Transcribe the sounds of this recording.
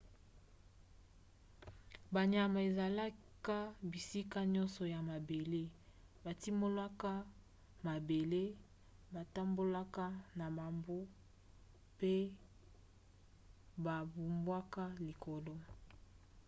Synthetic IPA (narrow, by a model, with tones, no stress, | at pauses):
ba˨ɲa˨ma˨e˨za˨la˦ | ka˦bi˨si˦ka˦ɲɔ˦nsɔ˨ja˨ma˨be˨le˦ba˨ti˦mo˦lwa˦ka˦ | ma˨be˨le˦ | ba˨ta˦mbo˦la˦ka˦na˨ma˨mbu˦ | pe˦ | ba˨bu˨mbwa˦ka˦li˨ko˨lɔ˦